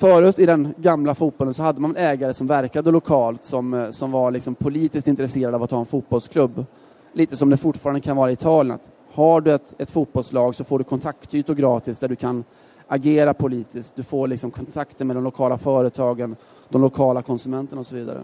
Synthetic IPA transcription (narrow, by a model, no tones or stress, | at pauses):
fœːɾʉ̟ːt̪ɪd̪ɛnɡamlafuːt̪bɔlənsɔhad̪ːəmanɛnɛːɡaɾəsɔmvæɾkad̪əlʊkʰɑːlt̪sɔmsɔmvaɾɭɪksɔmpʰʊliːt̪ɪskt̪ɪnt̪ɾɛseːɾad̪avat̪hɑːɛnfuːt̪̚bɔlskʰlɵbː | liːt̪əsɔmd̪ɛfʊʈːfɑːɾand̪əkʰanvɑːɾaɪt̪ʰɑːlɪəna̰t̪ | haɖɵɛt̪ɛt̪fuːt̪̚bɔlslɑːɡsɔfoːɖɵkʰɔnt̪ʰakt̪ʰːyːt̪ʊɡɾɑːt̪ɪsd̪æɖɵkʰan | ʔaɡeːɾapʰʊliːt̪ɪskt̪̚d̪ɵfoːɭɪksɔmkʰɔnt̪ʰakt̪əɾmɛɔmlʊkʰɑːlafœːɾət̪ʰɑːɡən | d̪ɔmlʊkʰɑːlakʰɔnsɵmɛnt̪əɳaɔsɔviːd̪a̰ɾə̰